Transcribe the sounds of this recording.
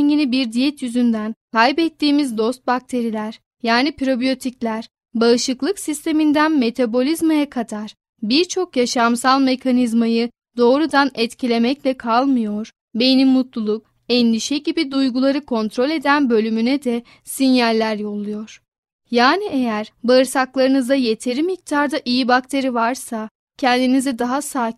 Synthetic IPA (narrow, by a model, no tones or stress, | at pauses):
ɲinibiɾd̪ijɛt̪jyzynd̪ænkajbɛt̪ːiːmizd̪o̞st̪̚bak̚t̪ʰe̞ɾilʲæɾ̥ | jaːnipɾo̞bijo̞t̪ʰiclʲæɾ̥ | baɯʃɯklˠɯksist̪ʰe̞mind̪ænme̞t̪ʰabo̞lʲizmajakʰad̪aɾ̥ | biɾt͡ʃʰo̞kjaʃamsalˠme̞kʰanizmajɯ | d̪o̞ːɾud̪anɛt̪cʰilʲe̞mɛclʲɛkʰalˠmɯjo̞ɾ̥ | benimːut̪lˠulˠuk̚ | ɛnd̪iʃɛɟibid̪ujɡulˠaɾɯkʰo̞nt̪ɾo̞lʲe̞d̪ænbø̞lʲymynɛd̪ɛ | sinjalʲːæɾjo̞lˠujo̞ɾ̥ | jaːniejæɾbaɯɾsaklˠaɾɯnɯzd̪aje̞t̪ʰe̞ɾimik̚t̪ʰaɾd̪aʔijibak̚t̪ʰe̞ɾivaɾsa | cʰɛnd̪inizɛd̪aɦasaː